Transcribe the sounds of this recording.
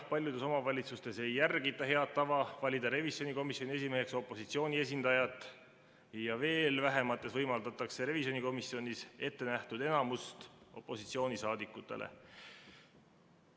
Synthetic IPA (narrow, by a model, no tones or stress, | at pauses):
pɑlʲjud̪̥e̞so̞mɑvɑlʲit̪sust̪e̞se̞jːærɡ̥it̪ːˑɑɦe̞ɑt̪ːɑvɑvɑlʲid̪ɑɾe̞viso̞niko̞misjo̞nʲiesime̞ɦe̞kso̞pːˑo̞sit̪sio̞ːnʲie̞s̬ʲind̪ɑjɑt̪ːˑ | jɑve̞ːlvæɦe̞mɑt̪ːˑe̞svɤjmɑld̪ɑt̪ːˑɑkse̞ɾe̞visio̞niko̞misio̞nʲise̞t̪ːe̞næht̪ud̪e̞nɑmust̪o̞̰pːˑo̞sit̪sio̞ːnisɑːd̪ikːˑut̪ːˑe̞̰lʔḛ